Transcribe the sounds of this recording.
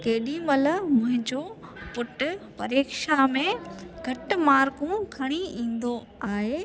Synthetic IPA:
keːɗimɐləmʊ̃ɦɪ̃ɲd͡ʑopʊʈpɐ̰ɾeːkʃamẽɡʱɐʈmaːɾkũkʰɐɽ̃iĩːn̆d̪o | aːɦeː

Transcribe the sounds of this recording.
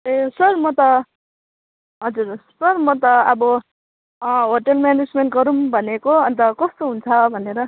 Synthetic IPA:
esʌrmʌt̪ʌ | ɦʌd͡zuɾsʌrmʌt̪ʌʌbʌ | ɦoʈʌlmjaned͡zmenʈ̚ɡʌɾumbʱʌnekoʌnt̪ʌkʌst̪oɦunt͡sʰʌbʱʌneɾʌ

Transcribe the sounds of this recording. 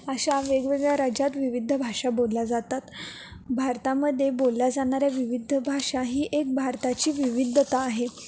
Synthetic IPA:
aɕaʋeɡʋeɡɭjaɾad͡ʑat̪ʋiʋid̪ʱːəbʱaʂabolːad͡zat̪at̪ | bʱaɾt̪aməd̪ʱːjebolːad͡zaɽ̃aɾjaʋiʋid̪ʱəbʱaʂaɦiːʔek̚bʱaɾt̪at͡ɕiːʋiʋid̪ʱːət̪aːɦe

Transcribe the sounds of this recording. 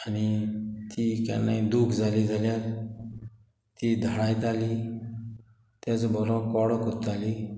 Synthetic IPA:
anit̪ika̰nːaĩd̪uːkʰd͡zʱalid͡zʱaljat̪ | t̪ːid̪ʱəɽajt̪ali | t̪at͡sbɔɾɔ̃kɔɽɔkut̪ali

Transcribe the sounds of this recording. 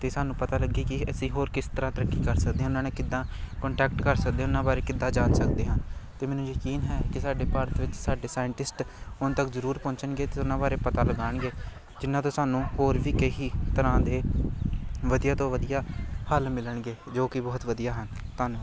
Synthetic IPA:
t̪eːsaːnũːpət̪aːləɡiːkɪəsĩːɦoːɾkɪst̪əɾãːt̪əɾəkːiːkəɾsəkd̪ẽːʊnãːneːkɪd̪ːãːkəɳʈɛːkʈkəɾsək̚d̪ẽːʊnãːbaːɾeːkɪd̪ːãːd͡ʒaːnsək̚d̪eːɦãːt̪eːmɛːnũːjəkiːnɦɛːkɪsaːɖeːpəɾt̪ʋɪt͡ʃsaːɖeːsaːɪɳʈɪsʈʊnt̪əkzəɾuːɾpɔ̃ːɲt͡ʃənɡeːt̪eːʊnãːbaːɾeːpət̪aːləɡaːɳɡeː | d͡ʒɪnːãːt̪õːsaːnũːhoːɾʋiːkeɦiːt̪əɾãːd̪eː | ʋəd̪ijaːt̪õːʋəd̪ijaːhəlmɪləɳɡeːd͡ʒoːkɪbɔːt̪ʋəd̪ijaːɦənt̪aːnũː

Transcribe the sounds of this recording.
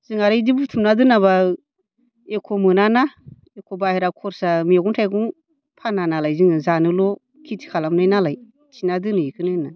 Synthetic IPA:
zɯŋaɾajdibutʰumnadɯnaβa | ekʰɔmɯnana | ekʰɔbaheɾakʰɔɾsameɡuŋtʰajɡuŋ | pʰananalajzɯŋɯzanɯlɔ | kʰitʰi̥kʰalamnajnalaj | tʰinadɯnɯikʰɯnɯna

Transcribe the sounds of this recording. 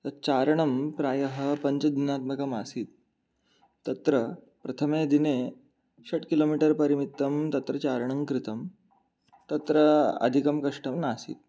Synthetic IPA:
t̪ɐɾt͡ɕaɾɳəmpɾajəɦəpəɲt͡ɕəd̪inat̪məkəmasiːt̪̚ː | ɐt̪ɾə | pɾɐt̪ʰəmed̪ine | ɕɐʈkilomiʈəɾpəɾimit̪ːəmt̪ɐt̪ɾət͡ɕaɾɳ̃əŋkɾit̪əm | t̪ɐt̪ɾəɐ̰d̪ʱikɐmkɐʂʈəmnasḭːt̪̚

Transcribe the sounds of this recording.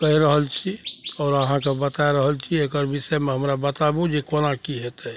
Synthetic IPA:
kəɦiɾəɦəlt͡ʃʰiɔːɾəɦãkabət̪aeɾəɦəlt͡ʃʰiekəɾɪsɛmẽɦəmɾabət̪abũd͡ʒekonakiɦet̪ɛ

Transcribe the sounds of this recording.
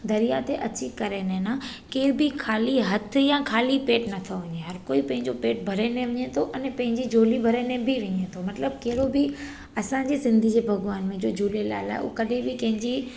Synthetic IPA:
d̪ɐɾijat̪ʰeʔɐt͡ɕikɐɾenẽna | keːbɪkʰaːliɦɐt̪̆ʰjãːkʰaːlipeːʈnɐt̪ʰoʋɐɲeɦɐɾkoːipɐ̃ɦɪ̃ɲd͡ʑopeːʈ̚bʱɐɾenẽʋɐɲet̪ʰoʔɐnẽpɐ̃ɦɪ̃ɲd͡ʑid͡ʑʱoːlibʱɐɾenẽbʱiʋɐɲet̪ʰomɐt̪ləb̚keɦɪɾobɪ | ɐsãd͡ʑisɪ̃nd̪ʱid͡ʑeːbʱɐɡʋaːnmẽd͡ʑoːd͡ʑʱoːlelaːɪla̰ːɪṵːkɐɗʱẽbɪkɐ̃ɦɪ̃ɲd͡ʑi

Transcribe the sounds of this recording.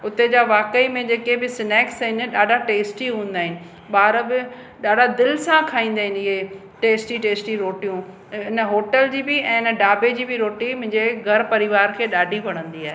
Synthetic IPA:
ʊt̪ed͡ʑaːʋaːkəimẽd͡ʑeːkebɪsɪnɛːksɦɪnɗaːɖʱaʈeːsʈiɦũːə̃nd̪aːɦɪnɪ̆ | ɓaːɾbɪ | ɗaːɖʱad̪ɪlsãkʰaːĩːnd̪aːɦɪnɪɦe | ʈeːsʈiʈeːsʈiɾoːʈijũ | ɪnəɦoːʈəld͡ʑiːbɪɛ̃ːɪnəɖaːbed͡ʑiːbɪɾoːʈimʊ̃ɦɪ̃ɲd͡ʑeɡʱɐɾpɐɾɪʋaːɾkʰeːɗaːɖʱipɐɽ̃ə̃nd̪iaːɦe

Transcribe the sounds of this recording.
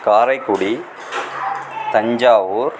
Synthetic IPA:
kaːɾɐɪkːʊɽi | t̪ɐɲd͡ʒaːʋuːɾ

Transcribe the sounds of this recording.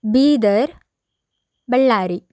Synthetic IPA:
biːd̪ɐɾ | bɛɭːaːɾi

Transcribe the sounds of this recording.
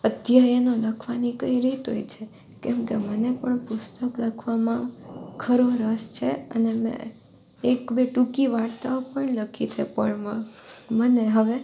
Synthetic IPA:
əd̪jajənoləkʰʋanikəiɾit̪ɦojt͡ʃʰe | kɛmkemənepəɳpʊst̪əklakʰʋamãkʰəɾoɾəst͡ʃʰeə̰nemḛ̃ | ekbeʈukiʋaɽt̪aopəɳləkʰit͡ʃʰepəɳməməneɦəʋe

